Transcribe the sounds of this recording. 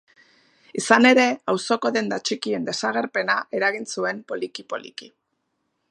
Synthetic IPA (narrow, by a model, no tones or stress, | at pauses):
isane̞ɾe̞awso̞ko̞ðe̞nd̪at͡ʃikie̞nd̪e̞saɣ̞e̞ɾpe̞naʔe̞ɾaɣinsue̞mpo̞likipo̞̰lḭki